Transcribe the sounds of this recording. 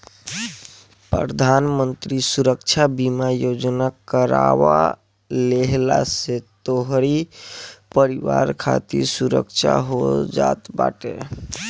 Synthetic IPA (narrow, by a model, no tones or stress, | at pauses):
pɾəd̪ʱanmənt̪ɾisuɾəkt͡ʃʰabimajod͡ʒnakəɾaβa̰ | leɦlaset̪oɦɾi | pəɾiʋaɾkʰa̰t̪iɾsuɾə̰kt͡ʃʰa̰ɦod͡ʒat̪ba̰ʈe